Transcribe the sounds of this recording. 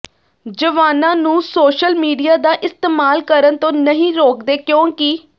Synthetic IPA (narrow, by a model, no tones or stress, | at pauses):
d͡ʒəʋaːnãːnũːsoːʃəlmiːɖijaːd̪aːʔɪst̪eːmaːlkəɾənt̪õːnəɦĩːɾoːkd̪eːkjõːkɪ